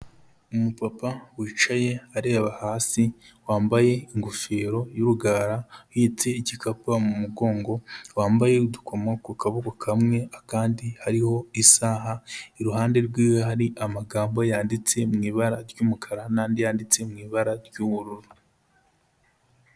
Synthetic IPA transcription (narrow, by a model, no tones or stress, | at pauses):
umupapawiːt͡ʃaje̞aɾeːaβahaːsi | waːmbaje̞iŋɡufeːɾo̞juɾuɡaːɾahit͡se̞icikʰapamumuɡo̞ːŋɡo̞waːmbaje̞dukʰo̞makukaβukokʰamŋe̞akaːndihaɾiho̞isaɦaiɾuhaːnde̞ɾɡwiːwoɦaɾiʔamaɡaːmbo̞jaːndit͡se̞mŋiːβaɾaɾɟuːmukʰaɾanaːndijaːndit͡se̞mŋiːβaɾaɾɟuːβuɾuɾu